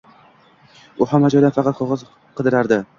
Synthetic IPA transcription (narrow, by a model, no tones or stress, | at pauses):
ʊhamːad͡ʒɒjd̪anfɑqʰɑt̪̚qʰoʁɑz | qʰɨd̪ɪɾaɾd̪ɪ